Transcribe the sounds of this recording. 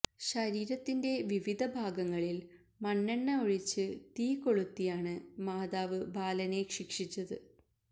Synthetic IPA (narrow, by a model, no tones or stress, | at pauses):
ɕɐɾiːɾɐt̪ːinde̞ʋiʋid̪ʱɐbʱaːɡɐŋːɐɭil | mɐnːɐɳːɐoɻit͡ɕːɨt̪iːko̞ɭut̪ːijaːɳɨmaːdaːʋɨbʱaːlɐne̞kʂikʂit͡ɕːɐðɨ